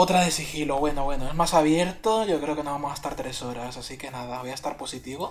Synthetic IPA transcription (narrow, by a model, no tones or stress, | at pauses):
ot̪ɾaðesixilo̞βwe̞noβwe̞noe̞zmasaβ̞je̞ɾt̪oʝo̞kɾe̞o̞kenoβamosaest̪aɾt̪ɾe̞so̞ɾasasike̞nað̞aβo̞jaest̪aɾpo̞sit̪iβo